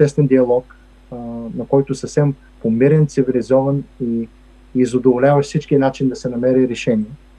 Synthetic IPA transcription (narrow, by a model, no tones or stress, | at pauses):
ɛst̪vɛnd̪iɐlˠɔk | nɐkɔjt̪ʊsɐfsɛm | pomiɾɛnt̪sivilizɔvɐniː | zod̪ovolʲavɐʃfsit͡ʃkinat͡ʃind̪ɐsɛnɐmɛɾiɾɛʃɛniɛ